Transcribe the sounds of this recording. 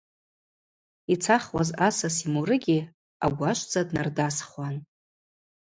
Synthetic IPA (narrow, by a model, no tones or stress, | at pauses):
it͡sʰaχwazasasimuɾɨɡʲi | aɡʷaʃʷd͡zʼadnardasχwan